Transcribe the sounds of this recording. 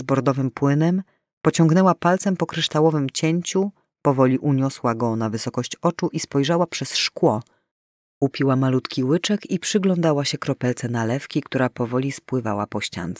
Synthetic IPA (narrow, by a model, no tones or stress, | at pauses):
zbɔɾd̪ɔvɘmpwɘnɛm | pɔt͡ɕɔ̃ŋɡnɛwapalt̪sɛmpɔkɾɘʂt̪awɔvɘmt͡ɕeɲt͡ɕu | pɔvɔlʲiʔuɲɔswaɡɔnavɘsɔkɔɕt͡ɕɔt͡ʂuʔispɔjʐawapʂɛsʂkwɔ | upʲiwamalut̪kʲiwɘt͡ʂɛkipʂɘɡlɔnd̪awaɕɛkɾɔpɛlt̪sɛnalɛfkʲikt̪uɾapɔvɔlʲispwɘva̰wa̰pɔɕt͡ɕa̰nt̪sɛ̥